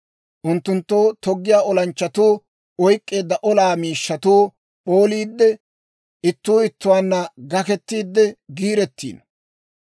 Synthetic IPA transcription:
ʔʊnt̪ːʊnt̪ːoːt̪ɔɡːɪjaːɔlɐnt͡ʃːɐt̪uː | ɔjkʼːe̞ːd̪ːɐʔɔlaːmiːʃːɐt̪uː | ɓo̞ːliːd̪ːɛ | ʔɪt̪ːuːɪt̪ːʊwaːnːɐɡɐkɛt̪ːiːd̪ːɛɡiːɾɛt̪ːḭːn

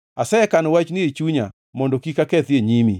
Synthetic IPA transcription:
asɛɛkanɔwat͡ʃnɪet͡ʃuɲa | mɔndɔkikakɛt̪jeɲimi

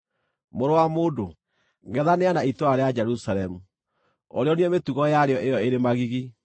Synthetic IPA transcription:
moɾowamoːdo | ŋɡɛðaneanaitwaɾead͡ʒɛɾusaɾɛmu | ɔ̰ɾeɔniɛmetuɣɔjaɾeɔʔejɔeɾemaɣiɣi

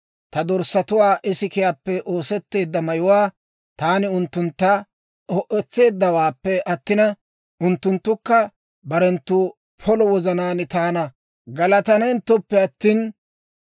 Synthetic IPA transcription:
t̪ɐd̪ɔɾsɐt̪ʊwaːʔɪsɪkɪjaːpːɛʔoːsɛt̪ːe̞ːd̪ːɐmɐjʊwaː | t̪aːnɪʊnt̪ːʊnt̪ːa | ɔʔɛt͡sːe̞ːd̪ːɐwaːpːɛʔɐt̪ːɪnɐ | ʔʊnt̪ːʊnt̪ːʊkːɐ | bɐɾɛnt̪ːʊ | pʰɔlɔwɔzɐnaːnɪt̪aːnɐ | ɡɐlɐt̪ɐnɛnt̪ːɔpːɛɐt̪ːiːn

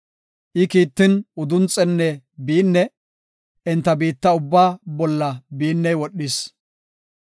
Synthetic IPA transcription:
ʔɪkiːt̪ːɪnʊd̪ʊnt͡sʼːɛnːɛ | biːnːɛ | ʔɛnt̪ːɐbiːt̪ːɐʊbːaːbɔlːɐbiːnːɛjwɔɗːɪs

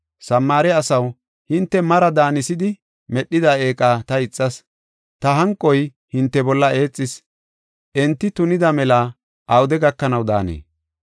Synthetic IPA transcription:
sɐmːaːɾɛɐsɐw | hɪnt̪ːɛmɐɾɐd̪aːnɪsɪd̪ɪ | mɛɗːɪd̪ɐe̞ːkʼaːt̪ɐɪt͡sʼːɐs | t̪ɐɦɐŋkʼːɔj | hɪnt̪ːɛbɔlːɐe̞ːt͡sʼːɪs | ʔɛnt̪ːɪt̪ʊnɪd̪ɐmɛla | ʔɐwʊd̪ɛɡɐkːɐnɐwd̪a̰ːnḛː

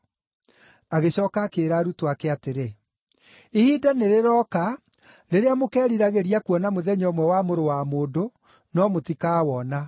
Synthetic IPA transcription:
aɣeɕɔːkakeːɾaːɾutoakeateɾe | ihidaneɾeɾɔːka | ɾeɾeamokɛːɾiɾaɣeɾiakuɔnamoðɛɲɔmwɛwamoɾowamoːdo | nɔmotikaːwɔna

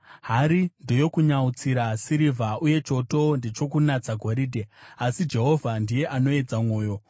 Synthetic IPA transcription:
ɦaɾindo̞jo̞kuɲaut͡siɾasiɾivʱauje̞t͡ʃo̞to̞nde̞t͡ʃo̞kunat͡saɡʱo̞ɾiːdʱe̞asid͡ʒe̞ɦo̞vʱandije̞ʔano̞e̞d͡zamwo̞ːjo̞

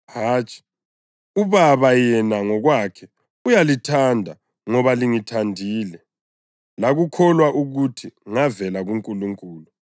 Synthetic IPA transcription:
haːt͡ʃʼi̥ | uβaβajɛnaŋɔɣwakʰɛ | ujalitʰandʱa | ŋɔβaliŋitʰandʱiːlɛ | laɣukʰɔlwaʔuɣutʰiŋavɛlaɣuŋkʼuluŋkʼuːlu

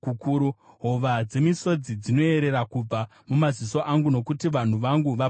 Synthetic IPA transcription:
kukuːɾu | ɦo̞ʋad͡ze̞miso̞d͡zid͡zino̞e̞ɾe̞ɾakub͡va | mumaziso̞ʔaŋɡuno̞kutiʋan̤uʋaŋɡuʋa

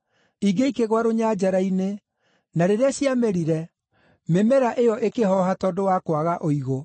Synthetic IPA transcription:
iɡeikeɣwaɾoɲaːd͡ʒaɾaine | naɾeɾeaɕjameɾiɾɛ | memɛɾaʔejɔʔekeɦɔɦatɔdowakwaɣaʔoiɣo

